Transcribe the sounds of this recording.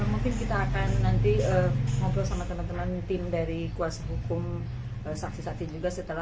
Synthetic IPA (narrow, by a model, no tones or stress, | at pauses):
əmuŋkɪnkit̪aːkanːant̪iəmɔbɾɔsamat̪əmant̪əmant̪ɪmdaɾikuasaɦukʊm | əsaksisaksid͡ʒuɡasət̪əla